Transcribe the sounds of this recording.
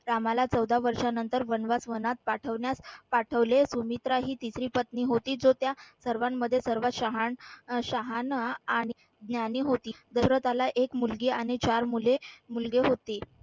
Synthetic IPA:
ɾamalat͡səwd̪ʱaʋəɾʂanənt̪əɾʋənʋasʋənat̪̚paʈʰəʋɳjaspaʈʰəʋlesumit̪ɾaɦiːt̪isɾiːpət̪niːɦot̪iːd͡zot̪jasəɾʋamːəd̪ʱːjesəɾʋat̪ɕaɦanɕaɦanaːɽ̃i | ɡ̪njaniːɦot̪iːd̪əsɾət̪alaʔekmulɡiːaɽ̃it͡ɕaɾmulemulɡeɦot̪e

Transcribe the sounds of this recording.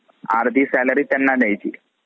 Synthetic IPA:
a̰ɾd̪ʱiːsɛləɾiːt̪janːad̪jajt͡ɕḭː

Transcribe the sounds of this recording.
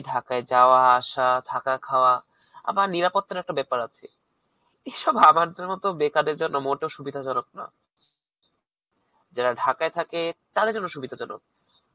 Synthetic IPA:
ɖʱakaed͡ʑaoaaʃad̪ʰʱakakʰaoa | a̰baɾniɾapot̪ːaɾɛk̚ʈabɛpaɾat͡ɕʰḛ | eʃɔbamaɾd̪eɾmɔt̪obekad̪eɾd͡ʑonːomoʈoʃubid̪ʱat͡ɕɔnok̚na̰ | d͡ʑaɾaɖʱakaet̪ʰaket̪ad̪eɾd͡ʑonːoʃubid̪ʱat͡ɕɔno̰k̚

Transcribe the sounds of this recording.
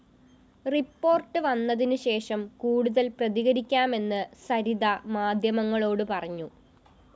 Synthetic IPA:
ripːo̞ːrʈːɨʋɐnːɐðinɨɕe̞ːʂɐmkuːɽuðɐlprɐðiɣɐɾikʲːaːme̞nːɨsɐɾiðɐmaːd̪ʱjɐmɐŋːɐɭo̞ːɽɨpɐrɐɲːu

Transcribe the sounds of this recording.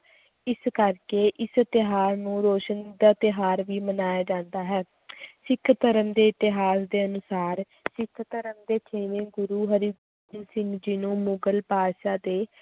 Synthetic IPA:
ɪskəɾkeːʔɪst̪ɪɦaːɾnũːɾoːʃənd̪aːt̪ɪɦaːɾʋiːmənaːjaːd͡ʒãːnd̪aːɦɛː | sɪkʰt̪əɾəmd̪eːɪt̪ɪɦaːsd̪eːənʊsaːɾ | sɪkʰt̪əɾəmd̪eːt͡ʃʰeːʋẽːɡʊɾuːɦəɾiɡ | nsɪ̃ŋɡd͡ʒɪnõːmʊɡəlpaːdʃaːd̪eː

